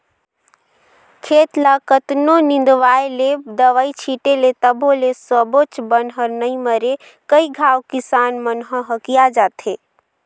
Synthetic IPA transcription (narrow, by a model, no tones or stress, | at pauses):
kʰet̪lakət̪nonĩn̆d̪ʋaeled̪əʋait͡ʃʰiʈelet̪əbʱolesəbot͡ʃbənɦəɾnəiməɾe | kəiɡʱawkisanmənɦə̃ɦəkijad͡ʒat̪ʰe